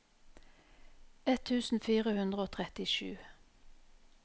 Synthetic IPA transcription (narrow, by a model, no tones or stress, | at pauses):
ɛt̪ʰʉːsn̩fiːʁəhʉnd̪ʁəoːt̪ʰʁɛt̪ɪʃʉ̰ː